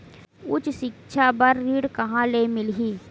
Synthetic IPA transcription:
ʊt͡ʃʃɪkʃʰabɐɾːiːɽkɐɦãleːmɪlɦiː

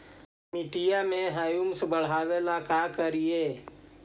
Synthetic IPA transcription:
mɪʈijamẽɦajumsbəɽ̤aːʋelakaːkəɾijeː

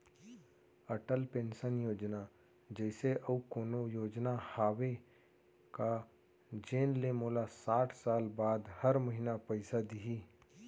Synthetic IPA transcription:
ɐʈəlpẽːnsənjoːd͡ʒna | d͡ʒɛːɪseʔɐukoːnojoːd͡ʒnahaːʋe | ka | d͡ʒeːnlemoːlasaːʈʰsaːlbaːd̪hɐɾməɦɪnapɐɪsad̪iɦiː

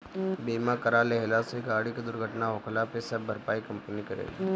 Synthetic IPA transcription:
biːmãkɐɾaːleɦɪlaseɡaːɽiked̪ʊɾɡʱəʈnaɦokʰlapesɐbbʱɐɾpaːikɐ̃mpənikɐɾḛːl̰

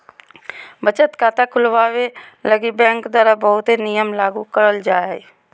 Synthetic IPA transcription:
bət͡ʃət̪kaːt̪akʰʊlʋaːʋeləɡibɛ̃ːŋkd̪aːɾabəɦʊt̪ɦenijəmlaːɡukəɾəld͡ʒaːe

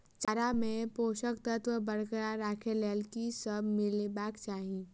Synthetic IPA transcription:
t͡ʃaɾamẽpoːʃəkt̪ət̪wəbəɽkəaɾaːkʰeleːlkisəbmɪlebaːkt͡ʃaːɦi

